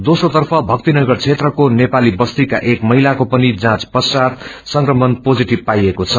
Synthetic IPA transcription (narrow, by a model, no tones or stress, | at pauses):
d̪osrot̪ʌrpʰʌbʱʌk̚t̪inʌɡʌrt͡sʰet̪rʌkonepalibʌst̪ika̰ʔekmʌɦilakopʌnid͡zãt͡spʌsat̪ | sʌŋkrʌmʌnpod͡ziʈibpajekot͡sʰʌ